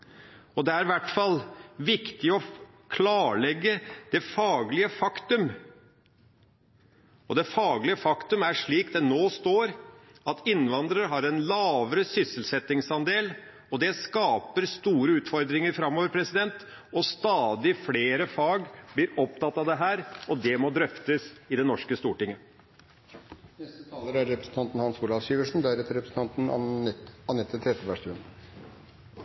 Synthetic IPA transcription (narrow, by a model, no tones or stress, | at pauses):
ɔd̪ɛæɾɪʋæʈfɑlʋɪkt̪ɪɔ | kʰlɑːɭɛɡːəd̪̥ɛfɑːɡlɪəfɑkt̪ʉm | ɔd̪ɛfɑːɡlɪəfɑkt̪ʉmæʂɭiːk̚d̪ɛnoːst̪oːɾ | ɑt̪ɪnːʋɑnd̪ɾəɾɦɑɾɛnlɑːʋəɾəsʏsəlsɛt̪ːɪŋsɑnd̪eːl | ɔd̪ɛskɑːpəɾst̪uːɾəʉːt̪fɔɾd̪ɾɪŋəɾfɾɑmːoːʋəɾpʰɾɛsɪd̪ɛnt̪ | ɔst̪ɑːd̪ɪfleːɾəfɑːɡblɪːɾɔp̚t̪ɑt̪ːɑʋd̪ɛɦæːɾɔd̪ɛmɔd̪ɾœft̪əsɪd̪ɛnɔʂkəst̪uːʈɪŋːə | nɛst̪ət̪ʰɑːləɾæɾɛpɾəsn̩t̪ʰɑnt̪ən̩hɑnsuːlɑfsiːʋəʂn̩d̪æɾɛt̪ːəɾɛpɾəsn̩ʰɑnt̪n̩ | ɑnɛt̪ʰːət̪ʰɾɛd̪əʋæʂt̪ʉən